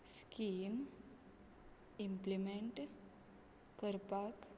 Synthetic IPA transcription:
skim | implimeɳʈ | kəɾpak

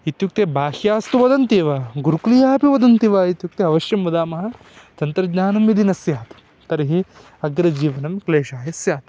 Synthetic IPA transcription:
it̪juk̚t̪ebaːhjaːst̪uʋɐd̪ɐnt̪iːʋaːɡuɾuklijaːpiʋɐd̪ɐnt̪iʋaːit̪juk̚t̪eɐʋɐʃjɐmːɐd̪aːmɐɦɐ̆ | t͡ʃ̪ɐnt̪ɾɐɡɲaːnɐmid̪inɐsjaːt̪ɐ̥ | t̪ɐɾiɦi | ɐɡɾɐd͡ʒiːʋɐnɐmkleːʃaːjɐsjaːt̪

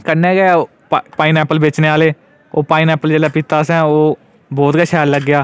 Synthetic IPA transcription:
kəɾneːɡɛo | ppaːinɛːpəlbeːt͡ʃneːaːleː | oːpaːinɛːpəld͡ʒeːlaːpɪt̪ːaːsɛ̃ːoː | bɔːt̪ɡəʃɛːɾləɡːjaː

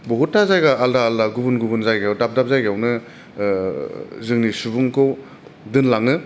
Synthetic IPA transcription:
boɦutːazajɡaːldaːldaɡubunɡubunzajɡeawdap̚dap̚zajɡawnɯ | zɯŋnisubuŋkʰow | dɯnlaŋɯ

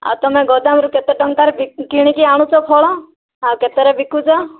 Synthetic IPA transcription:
a̰wt̪ɔmɛ̃ɡɔd̪amɾuket̪ɔʈɔŋkaɾebikiɽ̃ikiaɽ̃ut͡ʃɔpʰɔɭɔ | awket̪ɔɾebikut͡ʃɔ

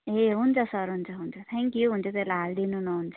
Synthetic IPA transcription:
ɦeɦunt͡sʰʌsʌɾɦunt͡sʰʌɦunt͡sʰʌt̪ʰaŋkjuɦunt͡sʰʌt̪elaɦald̪inunʌɦunt͡sʰʌ̥

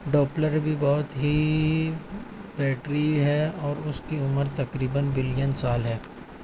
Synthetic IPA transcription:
ɖɔːpləɾbʱibɔːt̪ɦi | bɛːʈɾiɦɛɔːɾʊskiʊməɾt̪ɐkɾiːbənbɪlijənsaːlɦɛː

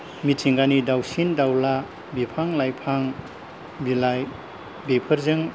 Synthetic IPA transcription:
mitʰiŋɡanidawsindawla | bipʰaŋlajpʰaŋ | bilaj | bepʰɐɾzɯŋ

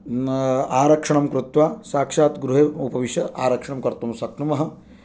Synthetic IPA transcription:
aːɾɐkʂɐɳɐmkɾut̪ʋaːsaːkʂaːt̪ɡɾuɦeupɐʋiʃɐaːɾɐkʂɐɳɐmkɐɾt̪umsɐknumɐɦɐ̆

